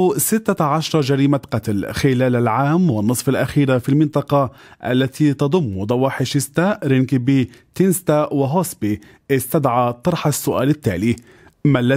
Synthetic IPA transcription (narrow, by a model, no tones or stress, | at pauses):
sɪt̪ːaʕaʃɑɾˤɑd͡ʒaɾiːmaqɑt̪lxɪlaːlalʕaːmwɑnːɨsˤfalʔaxiːɾafiːlmɪnt̪ˤɑqɑʔa̰lːat̪ʰiːt̪ɑd̪ˤʊmːd̪ˤɑwɑːħɪʃɪst̪aːʔɾɪnkɪbiː | t̪ɪnst̪awɪɦosbi | ʔɪst̪ad̪ʕaːt̪ˤɑɾˤħasːʊʔa̰ːlɪt̪ːa̰ːliː | malːa